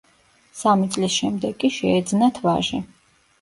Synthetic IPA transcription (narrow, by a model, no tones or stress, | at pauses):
samit̪sʼlisʃɛmd̪ɛkʼːiʃɛːd̪znat̪ʰva̰ʒɛ